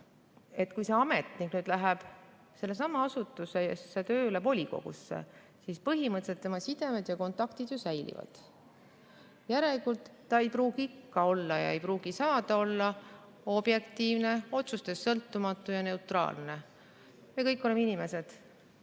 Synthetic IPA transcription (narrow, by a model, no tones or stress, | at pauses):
e̞t̪ːkujse̞ɑme̞t̪niknyːd̪̥læɦɛb̥ | se̞lːe̞sɑmɑɑsut̪ːˑuse̞jesːet̪øːylebo̞lʲiko̞̰ɡ̥ṵsːe̞̰ | sispɤɦimɤt̪set̪ːe̞mɑsid̪̥e̞med̪̥jɑko̞nt̪ːˑɑkt̪id̪̥josæjlḭvɑ̰d̪̥ | jæɾe̞likult̪ːɑejpɾuːɡ̥iikːɑo̞lːɑjɑ̰e̞jpɾuːɡ̥isɑːd̪̥ɑo̞lːɑ | o̞b̥je̞kt̪iːvne̞o̞t̪sust̪e̞sːɤlt̪ːumɑt̪ːˑujɑne̞ut̪ˑrɑ̰ːlne̞ | miekɤjkːˑo̞lemeinime̞se̞d̪̥